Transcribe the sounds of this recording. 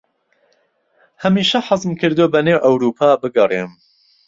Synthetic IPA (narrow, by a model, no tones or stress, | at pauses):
hɐmiːʃɐħɑzmkʰɨɾd̪obɐneːwʔɐwɾuːpʰaːbɨɡɐrem